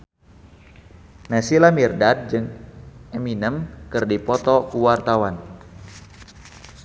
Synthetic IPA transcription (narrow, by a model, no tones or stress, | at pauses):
nasilamirdad̪̚d͡ʒɨŋɛminəmkɨrdipɔt̪ɔkuwart̪awan